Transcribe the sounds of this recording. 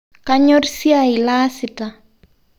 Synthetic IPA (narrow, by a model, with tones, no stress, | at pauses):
ka˦ɲɔ˦rsi˦a˨ɪ˨la˦sɪ˨ta˨